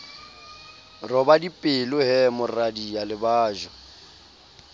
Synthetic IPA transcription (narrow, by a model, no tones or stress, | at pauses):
rɔbadipʼɪlʊɦɛmʊradialɪbaːʒɔ